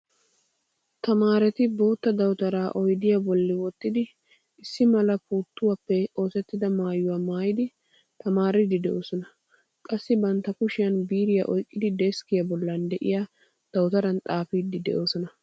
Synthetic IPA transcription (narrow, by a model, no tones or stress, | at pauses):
t̪ɐmaːɾɛt̪ɪbo̞ːt̪ːɐd̪ɐwt̪ɐɾaːʔɔjd̪ɪjabɔlːɪwɔt̪ːɪd̪ɪ | ɪsːɪmɐlɐpuːt̪ːʊwaːpːɛo̞ːsɛt̪ːɪd̪ɐmaːjːʊwaːmaːjɪd̪ɪ | t̪ɐmaːɾɪd̪ɪd̪ɛʔo̞ːsɔnɐ | kʼɐsːɪbɐnt̪ːɐkʊʃɪjɐnbiːɾɪja̰ʔɔjkʼːɪd̪ɪd̪ɛskɪjɐbɔlːɐnd̪ɛʔɪ̰jaː | d̪̥ɐwt̪ɐɾɐnt̪ʼaːfiːd̪ːɪd̪ɛ̰ʔo̞ːsɔnɐ